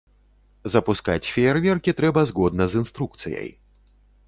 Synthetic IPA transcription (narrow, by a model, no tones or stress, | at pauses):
zɐpuska̰t͡sʲfʲɛrvʲɛrkʲit̪ɾɛbɐzɣɔd̪nɐzɨnst̪ɾuk̚t̪sɨjɐ̰j